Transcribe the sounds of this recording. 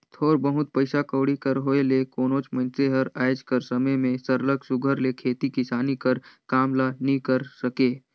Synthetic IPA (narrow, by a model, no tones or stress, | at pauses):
t̪ʰoːɾbəɦʊt̪̚pəɪsakəːɽikəɾɦoːelekoːnoːt͡ʃmə̃nseɦəɾaːɪd͡ʒkəɾsəməjmẽsəɾləɡsʊɡʱəɾlekʰeːt̪ikisaːnikəɾkaːmlanəɦĩkəɾsəkeː